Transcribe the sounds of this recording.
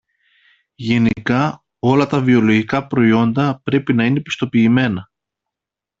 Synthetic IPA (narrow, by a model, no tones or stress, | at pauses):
ʝe̞nikɐ | o̞lɐt̪ɐvio̞lo̞ʝikɐpɾo̞io̞nd̪ɐpɾe̞pinɐine̞pi̥st̪o̞piːme̞nɐ